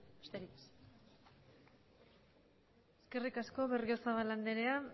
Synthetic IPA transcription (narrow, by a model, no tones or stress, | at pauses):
be̥st̪eɾik̪us | e̞skerikasko̞βe̞rio̞saβaland̪eɾe̞a